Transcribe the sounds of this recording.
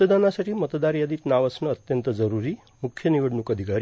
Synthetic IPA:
əd̪anasaʈʰimət̪d̪aɾjad̪it̪naʋəsnəːt̪jənt̪əd͡ʒəɾuɾi | mukʰjəniʋəɖnukəd̪ʱikaɾ

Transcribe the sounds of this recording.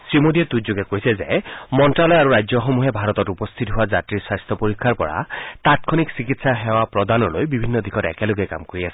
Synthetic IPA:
sɹimodiɛt̪utzoɡɛkojsɛzɛ̰mɔntɹalɔjaɹuɹajzɔxomuɦɛbʱaɹɔtɔtupɔst̪ʰitɦʊwazatɹiɹswajst̪ʰɔpoɹikʰːaɹpɔ̰ɹa̰tat̚kʰɔniksikitsaɦɛowapɹɔdanɔlojbibʱinːɔd̪ikʰɔtɛ̰kɛloɡɛka̰mkoɹiasɛ̥

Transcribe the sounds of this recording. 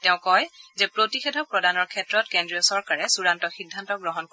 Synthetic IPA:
tɛʊ̃kɔjzɛpɹotixɛdʱɔpɹɔdanɔɹkʰɛtɹɔtkendɹiɔsɔɹkaɹɛsuɹantɔxidʱːantɔɡɹɔɦɔnko

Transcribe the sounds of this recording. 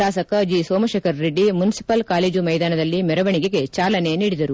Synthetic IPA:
aːsɐkɐd͡ʒisoːmɐʃeːkʰɐɾːeɖːimunisi̥pɐlkaːled͡ʒumɐjd̪aːnɐd̪ɐlːimɛɾɐʋɐɳikeɡe̞t͡ʃaːlɐne̞niːɽid̪ɐɾu

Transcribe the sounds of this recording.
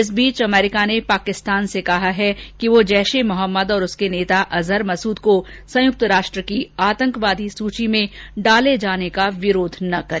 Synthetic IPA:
ɪs̬biːt͡ʃɐmɛːɾɪkanepaːkɪst̪aːnsekɐɦaɦɛkiʋod͡ʒɛːʃemʊɦəmːəd̪ɔːɾʊskeneːt̪aʔɐzəɾmɐsuːd̪ko | sɐ̃jʊk̚t̪ɾaːʃʈɾəkiaːt̪ə̃ŋkʋaːd̪ʱisuːt͡ʃimẽɖaːled͡ʒaːnekaʋɪɾoːd̪ʱnɐkɐɾ

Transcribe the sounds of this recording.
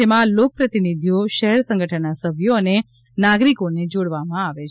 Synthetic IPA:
emãlok̚pɾət̪inid̪ʱjoʃəɦɛɾsə̃ŋɡʱəʈʰənasəbʱjone | naɡɾikoned͡ʒoɽʋamãaʋet͡ʃʰ

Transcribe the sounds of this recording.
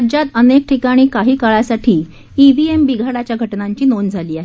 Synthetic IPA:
d͡ʑat̪ənek̚ʈʰikaɽ̃iːkaɦiːkaɭasaʈʰiː | iʋiembiɡʱaɽat͡ɕjaɡʱəʈnaɲt͡ɕiːnond͡zʱaliːaɦe

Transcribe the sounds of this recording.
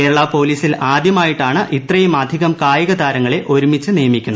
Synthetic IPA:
e̞ːɾɐɭaːpo̞ːliːsilaːd̪jɐmaːjiʈːaːɳɨʔit̪rɐjumɐd̪ʱiɣɐmkaːjiɣɐd̪aːɾɐŋːɐɭe̞ʔo̞ɾumit͡ɕːɨnijɐmikʲːunːɐ

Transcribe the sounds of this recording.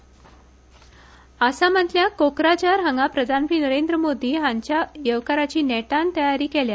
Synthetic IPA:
əsam̤ət̪ljakokɾat͡ɕaɾɦəŋɡapɾəd̪ʱanpɾiːnəɾend̪ɾəmod̪ʱiːɦãɲt͡ɕjajəʋkaɾat͡ɕiːnɛʈant̪əjaɾiːkelja

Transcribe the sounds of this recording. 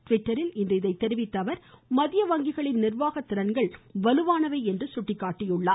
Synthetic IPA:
t̪ʋɪʈːɐɾɪlɪnd̪ɐɪðɐɪt̪ːɛɾɪʋɪt̪ːɐʋɐɾmɐðɪjɐʋɐŋɡɪɣɐɭɪnnɪrʋaːɣɐt̪ːɪɾɐnɡɐɭʋɐlɯʋaːnɐʋɐɪɛndrɯsʊʈːɪkːaːʈːɪjʊɭːaː

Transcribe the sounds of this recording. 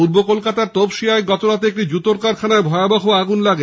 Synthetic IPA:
puɾbokolkat̪aɾt̪obʃiaeɡɔt̪oɾat̪eek̚ʈid͡ʑut̪oɾkaɾkʰanaebʱɔeabaɦoaɡunlaɡe

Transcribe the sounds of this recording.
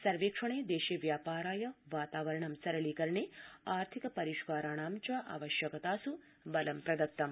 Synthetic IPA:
sɐɾʋeːkʂɐɳeːd̪eːʃeʋjaːpaːɾaːjɐʋaːt̪aːʋɐɾɐɳɐmsɐɾɐɭiːkɐɾɐɳeːaːɾt̪ʰikɐpɐɾiʃkaːɾaːɳaːmt͡ʃɐʔa̰ːʋɐʃjɐkɐt̪aːsu | bɐlɐmpɾɐd̪ɐk̚t̪ːɐm

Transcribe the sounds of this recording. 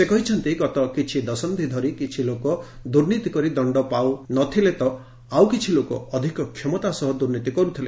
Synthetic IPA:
sekɔɦit͡ʃʰɔnt̪iɡɔt̪ɔkit͡ʃʰid̪ɔsɔnd̪ʱid̪ʱɔɾikit͡ʃʰilokɔ | d̪uɾnit̪ikɔɾid̪ɔɳɖɔpawnɔt̪ʰilet̪ɔ | awkit͡ʃʰilokɔ̰ɔd̪ʱikɔkʰjɔmɔt̪asɔɦɔd̪uɾnit̪ikɔɾut̪ʰile

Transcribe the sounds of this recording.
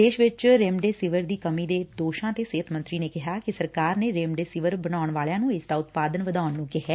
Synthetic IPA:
d̪eːʃʋɪt͡ʃɾeːmɖeːsɪʋəɾd̪iːkəmiːd̪eːd̪oːʃãːt̪eːseːət̪ʰmənt̪ɾiːneːkɪɦaːkɪsəɾkaːɾneːɾeːmɖeːsɪʋəɾbənaːʊɳʋaːljãːnũːɪsd̪aːʊt̪paːd̪ənʋəd̪aːʊnːũːkɪɦɛː

